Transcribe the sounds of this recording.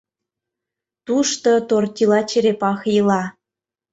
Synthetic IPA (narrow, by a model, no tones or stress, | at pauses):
t̪uʃt̪ot̪ort̪ʲilɑt͡ɕeɾepɑxjəlɑ